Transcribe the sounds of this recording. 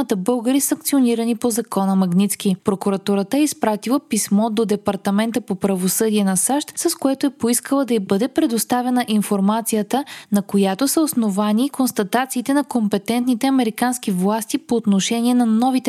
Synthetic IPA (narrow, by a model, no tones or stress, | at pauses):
ət̪əbɤlˠɡəɾisɐŋk̚t̪sioniɾənipozɐkɔnəmɐɡnit̪skipɾokuɾɐt̪uɾət̪əɛispɾat̪ilˠəpismɔd̪od̪ɛpɐɾt̪ɐmɛnt̪əpopɾɐvosɤd̪iɛnɐsaʃt̪sɐskoɛt̪oɛpoiskəlˠəd̪ɐibɤd̪ɛpɾɛd̪ost̪avɛnəʔinfoɾmat̪sijət̪ənɐkojat̪osəosnovanikonst̪ɐt̪at̪siːt̪ɛnɐkompɛt̪ɛnt̪nit̪ɛɐmɛɾikanskivlˠast̪ipoːt̪noʃɛniɛnɐnɔvit̪ɛ